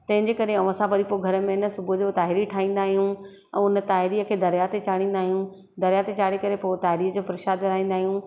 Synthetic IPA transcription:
t̪ɐ̃ɦɪ̃ɲd͡ʑeːkɐɾeɐʋãsãʋɐɾipoɡʱɐɾəmẽɪnəsʊbʱʊd͡ʑoːt̪aːɦɪɾiʈʰaːĩːn̆d̪aːɦijũ | ɛ̃ːʊnət̪aːɦɪɾiːəkʰeːd̪ɐɾjat̪et͡ɕaːɽ̃ĩːn̆d̪aːɦijũ | d̪ɐɾjat̪et͡ɕaːɽikɐɾepoːt̪aːɦɪɾiːəd͡ʑoːpɐɾɪʃaːd̪ɐɾaːĩːn̆d̪aːɦijũ

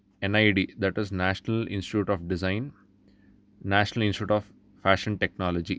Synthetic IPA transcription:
ẽnaɪɖiːd̪æʈɪznæʃənəlɪ̰̃nsʈɪʈjuːʈɔːfɖɪzãɪ̃n | næːʃənəlɪ̃nsʈuːʈɔːf | fæʃə̃nʈeknɔːlod͡ʒi

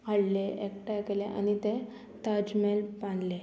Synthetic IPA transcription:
aɽleʔekʈakeleʔa̰ñit̪e | t̪ad͡ʑmelpãnle

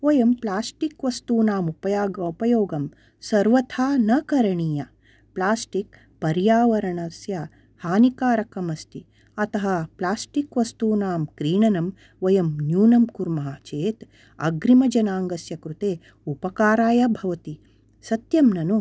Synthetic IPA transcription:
ʋɐjɐmplaːsʈikʋɐst̪uːnaːmupɐjaːɡupɐjoːɡɐm | sɐɾʋɐt̪ʰaːnɐkɐɾɐɳiːjɐ | plaːsʈik̚ | pɐɾjaːʋɐɾɐɳɐsjɐ | haːnikaːɾɐkɐmɐst̪i | ɐt̪ɐɦɐplaːsʈikʋɐst̪uːnaːmkɾiːɳɐnɐm | ʋɐjɐmnjuːnɐmkuɾmɐɦɐt͡ʃeːt̪ | ɐ̰ɡɾimɐd͡ʒɐnaːŋɡɐsjɐkɾut̪eː | upɐkaːɾaːjɐbʱɐʋɐt̪i | sɐt̪jɐmnɐnu

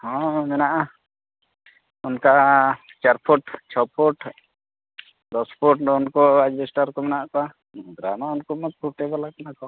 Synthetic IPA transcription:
hɔ̃mɛnaʔa | unkat͡ʃaɾpʰuʈt͡ʃʰɔpʰɔʈ | dɔspʰɔʈɖɔnkɔad͡ʒd͡ʒɛsʈaɾkɔmɛnaʔkɔa | ɡ̪ɾamaunkɔmɔt̪̚pʰuʈɛbalakanakɔ

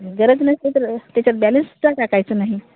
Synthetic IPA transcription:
ɡəɾəd͡znəset̪ɾət̪jat͡ɕaɾbɛlənst͡saʈakajt͡sənaɦi

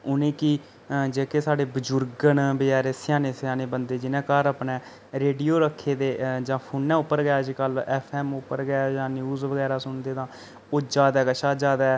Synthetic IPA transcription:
ʊnẽːki | d͡ʒeːkeːsaːɖeːbəd͡ʒʊɾɡənbɪaːɾeːsɪjaːneːsɪjaːneːbənd̪eːd͡ʒɪnɛ̃ːkəɾəpnɛ̃ː | ɾeːɖijoːɾəkʰːeːd̪eːd͡ʒãːpʰʊːnːɛ̃ːʊpːəɾɡaːd͡ʒkəlɛːpʰɛːmʊpːəɾɡaːd͡ʒãːnjuːzʋəɡɛːɾaːsʊɳd̪eːt̪ãː | oːd͡ʒaːd̪aːkəʃaːd͡ʒaːd̪aːɛː

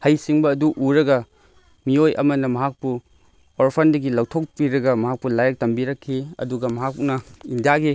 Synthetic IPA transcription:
hɐjsiŋbɐːduʔuɾɐɡɐ | miojʔɐ̰mɐnɐmɐɦak̚pu | oɾpʰɐndɐɡilɐwtʰok̚piɾɐɡɐmɐɦak̚pulajɐk̚tɐmbiɾɐkʰːiɐ̰duɡɐmɐɦak̚punɐindijaɡi

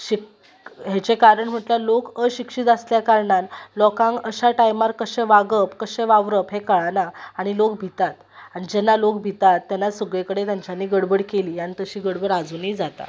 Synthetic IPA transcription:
ɕik | ɦet͡ɕekaɾəɳm̤əʈljalokəɕikʂit̪asljakaɾɳanlɔkãŋɡəɕaʈajmaɾkəɕẽʋaɡəpkəɕẽʋaʋɾəpɦekəɭanaaɽ̃ilok̚bʱit̪at̪ | aɽ̃id͡ʑɛnːalokbʱit̪at̪ːjanːasəɡɭekəɽet̪jaɲt͡ɕjanːiːɡəɽbəɽkeliːaɽ̃it̪əɕiːɡəɽbəɽad͡zuniːd͡zat̪a̰

